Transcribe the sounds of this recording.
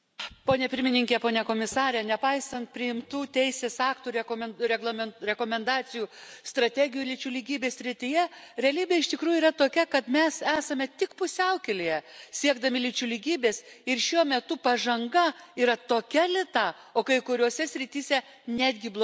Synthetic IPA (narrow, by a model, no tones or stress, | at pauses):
poːnʲɛpʲɪɾʲmʲɪnʲɪŋʲkʲɛpoːnʲɛkoːmʲɪsɑːɾʲɛnʲɛpɐɪsɐnt̪̚pʲɾʲɪɪmt̪uːt̪ʲɛɪsʲeːsɑːkt̪uːɾʲɛkomʲɛɾʲɛɡlˠɐmʲɛɾʲɛkoːmʲɛnd̪ɑːsʲɪjuːst̪ɾɐt̪ʲæːɡʲɪjuːlʲɪt͡ʃʲʊlʲiːɡʲiːbʲeːsʲɾʲɪt̪ʲɪjɛɾʲɛɐlʲiːbʲeɪʃt̪ʲɪkɾuːjuiːɾɐt̪oːkʲɛkɐt̪mʲɛsæːsɐmʲɛt̪ʲɪkpʊsʲɛʊkʲelʲɪjɛsʲiɛɡd̪ɐmʲɪlʲɪt͡ʃʲʊlʲiɡʲiːbʲeːsɪrʃʲuɔmʲɛt̪ʊpɐʒɐŋɡɐiːɾɐt̪oːkʲɛlʲɪt̪ɐ | oːkɐɪkʊɾʲoːsʲɛsʲɾʲɪt̪ʲiːsʲɛ | nʲæːd̪ʲɡʲɪblˠ